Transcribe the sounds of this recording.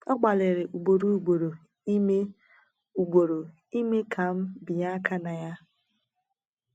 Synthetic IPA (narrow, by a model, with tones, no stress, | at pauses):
ɔ˦ɡ͡ba˨lɪ˨ɾɪ˨ʔu˨ɡ͡bo˨ɾu˦ɡ͡bo˨ɾo˨˦ | e˦ | u˨ɡ͡bo˨ɾo˨ | i˦me˦kʰa˨m̩˦bi˨ja˦ka˦na˨ja˦